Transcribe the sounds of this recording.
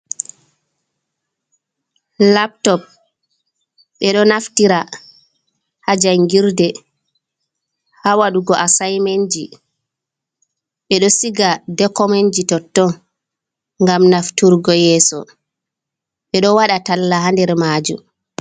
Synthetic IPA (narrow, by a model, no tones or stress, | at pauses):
lap̚tɔp̚ | ɓɛɗɔnaftiɾa | had͡ʒajŋɡiɾdɛ | hawaɗuɡɔʔasajmaɲd͡ʒi | ɓɛɗɔsiɡadɛkɔmaɲd͡ʒitɔtːɔ | ŋɡamnaftuɾɡɔjɛːsɔ̰ | ɓɛɗɔwaɗatalːaɦandɛɾmad͡ʒṵm